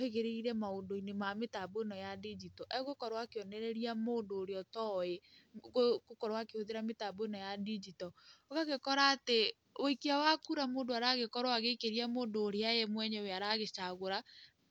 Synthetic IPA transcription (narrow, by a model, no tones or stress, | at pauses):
oheɣeɾeiɾɛmaondoinemametaboenɔjadid͡ʒitɔʔɛɣokɔɾwakeɔnɛɾɛɾiamoːndoːɾeɔtɔeoɣokɔɾowakehoðeɾametaboenɔjadid͡ʒitɔoɣaɣekɔɾaːte | oikiawakuɾamoːndoaɾaɣekɔɾɔaɣeikeɾiamoːndoːɾeajɛmwɛɲɛweaɾaɣet͡ʃaɣoɾa